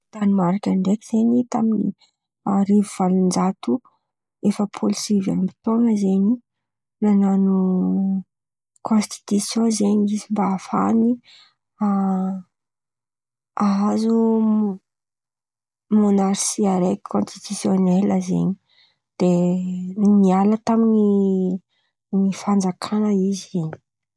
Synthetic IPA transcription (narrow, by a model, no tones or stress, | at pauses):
t̪animaɾakʲaɳɖ͡ʐekiz̥eɲit̪aminḭ | aɾivuv̥alind͡ʒat̪u | efəpʰolisiva̰nmbit̪oŋəzeɲi | nananu | kʰonst̪i̥t̪usjõzeɲizimbaːfa̰ni | a | aazu | monaɾsiaɾeki̥kʰõnst̪it̪usjoneləzḛɲi̥ | d̪̥e | nialət̪amiɲi | nifand͡zakʰanəizeɲi̥